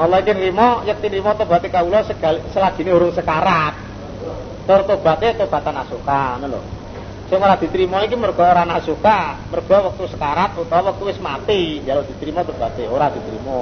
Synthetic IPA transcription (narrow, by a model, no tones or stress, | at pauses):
ɔlɔikinrimɔjək̚t̪inɾimɔt̪ob̥a̤t̪ekaulɔsəɡ̥alsəlḁʒ̥i̤neɦoɾʊŋsəkaɾat̪̚ː | ɔrt̪ob̥a̤t̪et̪ob̥a̤t̪anasukanəlʊ̰r | sɪŋoɾad̪̥i̤t̪ɾimɔikimərɡ̥ɔ̤oɾanasukamərɡ̥ɔwak̚t̪usəkaɾat̪̚ut̪ɔwək̚t̪uwɪsmat̪ijalod̪̥i̤t̪ɾimɔt̪ub̥a̤t̪eoɾad̪̥i̤t̪ɾḭmɔ